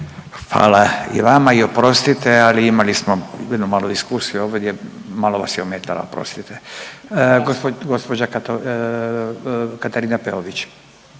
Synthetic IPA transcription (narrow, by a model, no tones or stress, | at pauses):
xʋa̰ːlaḭʋamaio̞pɾo̞st̪it̪ealiimalismo̞jed̪numaːlod̪iskuːsijuoːʋd̪jemaːlo̞ʋa̰sjeomeːt̪ala̰opɾo̰st̪it̪e | ɡɡospod͡ʑa | kat̪aɾiːnapeoʋit͡ɕ